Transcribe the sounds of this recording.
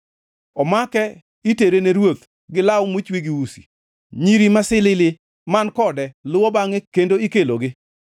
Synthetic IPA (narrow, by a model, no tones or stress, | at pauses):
ɔmakɛ | iteɾeneɾwot̪ | ɡɪlawʊmwit͡ʃwiɡiwusi̥̰ | ɲiɾimasɪlɪlɪ | mankɔdɛlʊwɔbaŋekendoikeloɡɪ